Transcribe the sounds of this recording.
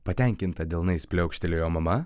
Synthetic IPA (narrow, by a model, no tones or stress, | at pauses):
pɐt̪ʲɛŋʲkʲɪnt̪ɐd̪ʲɛlˠnɐɪsʲpʲlʲɛʊkʲʃʲt̪ʲelʲejoːmɐmɐ